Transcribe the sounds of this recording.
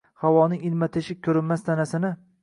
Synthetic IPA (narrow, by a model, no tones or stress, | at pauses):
hawɒnɪŋɪlmat̪ʰeʃɪkʲʰɵɾɪnmːast̪ʰanasɪnɪ